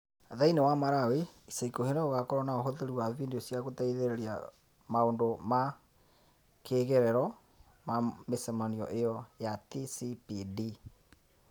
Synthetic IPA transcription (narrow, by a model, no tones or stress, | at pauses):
ðainewamaɾaweisaikoheneoɣakɔɾɔnaoɦoðeɾiwaβindiosjaɣotaiðeɾɛɾia̰ | maondoma | kʰeːɣɛɾɛɾɔ | mamesɛmaniɔ̰ʔejɔjatisipidi